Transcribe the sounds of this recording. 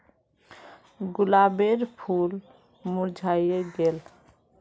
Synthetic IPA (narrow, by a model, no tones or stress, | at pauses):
ɡulabeɾpʰul | muɾd͡ʒʱajeɡel